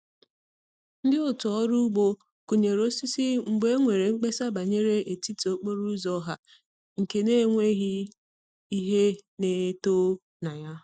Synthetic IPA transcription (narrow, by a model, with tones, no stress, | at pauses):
n̩˦dɪ˦ʊ˦tʊ˨ɔ˦ɾu˦ɡ͡bo˦ | ku˨ɲe˨ɾo˦si˦si˦ŋ͡m̩˨ɡ͡be˦ŋʷe˨ɾe˨ŋ͡m̩˦k͡pe˦sa˦ba˨ɲe˦ɾe˦ʔe˨ti˦ti˨o˦k͡po˦ɾu˦zɔ˦ɦa˨ | ŋ̩˨ke˨ne˦˨ŋʷe˦ɣi˦ | i˦ɦe˦ne˨˦to˦ | na˨ja˦